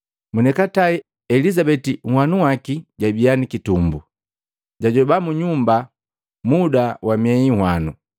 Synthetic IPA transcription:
munɛkataɛ | ɛlizabɛtiŋhwanuwakiɟabianikitumbu | ɟaɟɔbamuɲumba | mudawʔamiɛɲihwanu

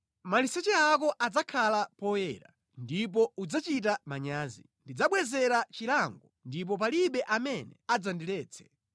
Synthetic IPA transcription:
malisɛt͡ʃɛak̬ɔʔad͡zakʰalapɔjɛɾa̰ | ndip̬ɔud͡zat͡ʃitamaɲaːzi | ndid͡zaɓwɛzɛɾat͡ʃilaŋɡɔndip̬ɔp̬aliɓɛʔamɛnɛad͡zandilɛːt͡sʰɛ̥

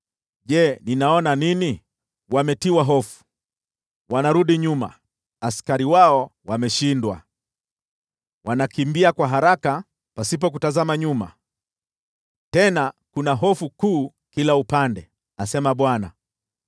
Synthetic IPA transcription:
ʄɛninaɔnanini | wamɛtiwaɦɔfu̥ | wanaɾuɗiɲuma̰ | askaɾiwaɔwamɛʃindwa | wanakimbiakwaɦaɾaka | pasip̬ɔk̬utazamaɲuma̰ | tɛnakunaɦɔfukuː | kilaupandɛ | asɛmaɓwana̰

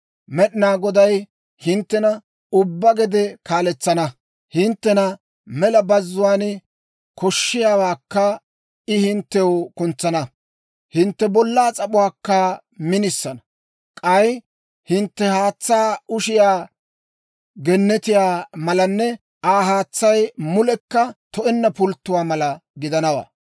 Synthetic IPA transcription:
mɛɗɪnaːɡɔd̪ɐj | hɪnt̪ːɛnɐ | ʊbːɐɡɛd̪ɛkaːlɛt͡sːɐnɐ | hɪnt̪ːɛnɐ | mɛlɐbɐzːʊwaːn | kɔʃːɪjaːwaːkːɐ | ɪhɪnt̪ːɛwkʊnt͡sːɐnɐ | hɪnt̪ːɛbɔlːaːt͡sʼɐɓʊwaːkːɐ | mɪnɪsːɐnɐ | kʼɐj | hɪnt̪ːɛhaːt͡sːaːʊʃɪjaː | ɡɛnːɛt̪ɪjaːmɐlɐnːɛ | aːɦaːt͡sːɐjmʊlɛkːɐt̪ɔʔɛnːɐpʊlt̪ːʊwaːmɐlɐɡɪd̪ɐnɐwa̰ː

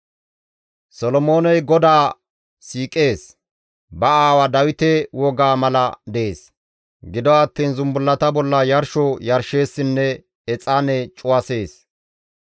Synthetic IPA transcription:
sɔlɔmo̞ːnɛjɡɔd̪aː | siːkʼe̞ːs | bɐaːwɐd̪ɐwɪt̪ɛwɔɡaːmɐlɐd̪ɛeːs | ɡɪd̪ɔɐt̪ːiːnzʊmbʊlːɐt̪ɐbɔlːɐjɐɾʃɔjɐɾʃe̞ːsːɪnːɛ | ɛt͡sʼanɛt͡ʃʼʊwɐse̞ːs

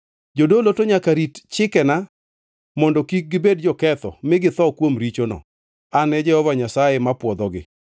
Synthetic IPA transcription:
d͡ʒodolotoɲakaɾitt͡ʃɪkɛna | mɔndɔkik̚ɡɪbed̚d͡ʒɔkɛt̪ɔ̰mɪɡɪt̪ɔkwomɾit͡ʃonɔ̰ | anɛd͡ʒɛhɔvaɲasajemapwɔd̪ɔɡɪ̰

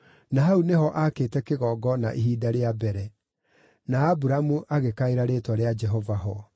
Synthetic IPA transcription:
naɦauneɦɔʔakeːtɛkeɣɔːɡɔnaʔeɦiːdaɾeabɛɾɛ | naːbuɾamuʔaɣekaeɾaɾetwaɾead͡ʒɛɦɔvaɦɔ

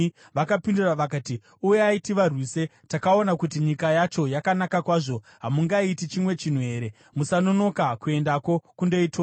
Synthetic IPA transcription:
ʋakapinduraʋak̬aːti | ujeaitiʋarwiːse̞ | takao̞nakutiɲikajat͡ʃo̞jakanakakwaːʐo̞ | ɦamuŋɡaitit͡ʃimwe̞t͡ʃin̤ue̞ːɾe̞ | musano̞no̞kakue̞ndako̞kundo̞ito

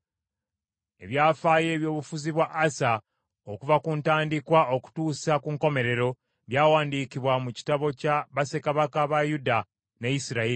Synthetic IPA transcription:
e̞̰βjaːfaːje̞ːβjo̞ːβufuziβwaʔːsa | o̞kuvakuntaːndikwao̞ku̥tuːsakuŋko̞me̞ɾe̞ɾo̞ | βjaːwaːndiːkiβwamuci̥taβo̞caβase̞kaβakaβajuda | ne̞jisiɾae

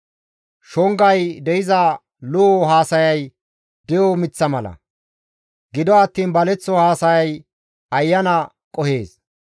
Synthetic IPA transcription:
ʃɔŋɡɐjd̪ɛʔɪzɐ | lʊʔɔɦaːsɐjɐj | d̪ɛjɔmɪt͡sːɐmɐlɐ̰ | ɡɪd̪ɔɐt̪ːiːnbɐlɛt͡sːɔhaːsɐjɐj | ɐjːɐnɐ | kʼɔhe̞̰ːs

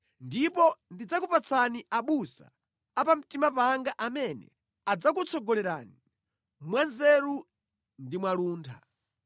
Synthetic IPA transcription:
ndipɔndid͡zakupat͡sʰaniʔaɓusa̰ː | pam̩timapaŋɡaʔamɛnɛ̰ | ad͡zak̬ut͡sʰɔɡɔlɛɾa̰ni | mwanzɛɾu | ndimwaluːntʰa̰

